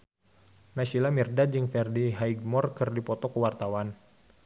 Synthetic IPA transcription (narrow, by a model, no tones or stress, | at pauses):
nasilamirdad͡ʒɨŋfɛrdiɦaiɡ̚mɔrkɨrdipɔt̪ɔkəwart̪awan